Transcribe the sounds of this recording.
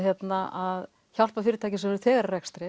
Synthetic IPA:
çjɛt̪naað | çal̥pafɪːɾɪt̪aːjcɪsɛmɛɾʏθɛːɣaɾarɛkst̪ɾɪ

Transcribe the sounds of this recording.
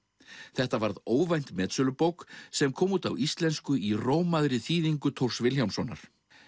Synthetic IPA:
θɛht̪avaɾðoːwvajn̥t̪mɛːt̪sʏlʏpowksɛmkʰɔːmuːt̪awist̪lɛnskʏiroːwmaðɾɪθiːðiŋkʏt̪ʰowr̥svɪlçjawmsɔːna̰ɾ̥

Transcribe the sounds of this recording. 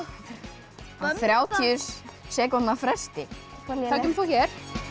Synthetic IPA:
aθθɾjaːwt̪ʰiʏssɛːkɔt̪nafɾɛst̪ɪkʰaːcʏmθɔwçɛɾ̥

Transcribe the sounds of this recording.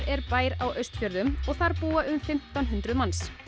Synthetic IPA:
ɛɾpaːjɾawʔœɥst̪fjœɾðʏmɔɣθaɾpuːaʔʏmfɪm̥t̪anɦʉnt̪ɾʏðmans

